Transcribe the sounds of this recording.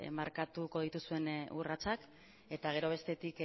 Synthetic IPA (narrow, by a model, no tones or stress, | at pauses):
maɾkat̪uko̞ð̞it̪usue̞nurat͡sak | e̞t̪aɣ̞e̞ɾo̞β̞e̞st̪e̞t̪ik